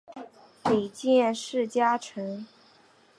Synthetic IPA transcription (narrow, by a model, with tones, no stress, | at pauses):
pe˨˩t͡ɕjɛ˥˧nʂɻ̩˥˩t͡ɕja˥ʈ͡ʂʰɤ˧˥ŋ